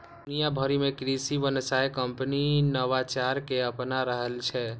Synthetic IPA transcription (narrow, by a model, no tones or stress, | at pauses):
d̪unijabʱəɾimekɾisibənsajkəmpəninəʋat͡ʃaɾkeəpnaɾəɦəlt͡ʃʰɛ